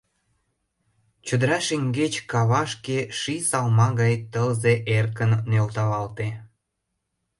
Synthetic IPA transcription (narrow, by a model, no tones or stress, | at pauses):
t͡ɕə̆d̪əɾɑʃiŋɡet͡ɕkɑβɑʃkeʃisɑlmɑɣɑjt̪əlzeʔerkənːølt̪ɑβɑlt̪e